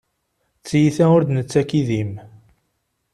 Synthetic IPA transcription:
t͡sːjiθæʊɾd̪nət͡sːækiðim

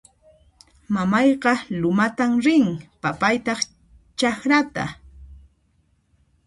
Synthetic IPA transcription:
mamɑjqɑlʊmat̪amɾɪŋpapajt̪ɑχ | t͡ʃaxɾat̪a̰

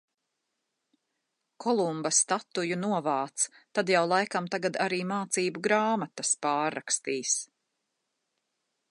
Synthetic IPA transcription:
kʰɔlˠumbɐst̪at̪ːujunuɔvaːt̪st̪ad̪jawlˠajkamt̪aɡad̪aɾiːmaːt̪siːbuɡɾaːmat̪ɐspaːɾːa̰kst̪iːs

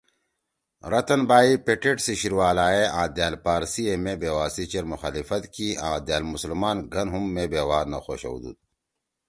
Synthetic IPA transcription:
ɾɐt̪ɐnbaːipeʈeʈsiɕiɾwaːlaːeʔãːd̪jaːlpaːɾsiemebeːwaːsit͡ɕeɾmuxaːlifɐt̪kiãːd̪jaːlmuslmaːnɡʱɐnɦumːebeːwaːɾnɐ̰xo̰ːɕɐ̰wd̪ṵːt̪̚

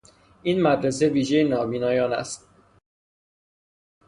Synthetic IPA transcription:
ʔiːnmæd̪ɾese̞viːʒejenɒːviːnɒːjɒːnæ̰st̪

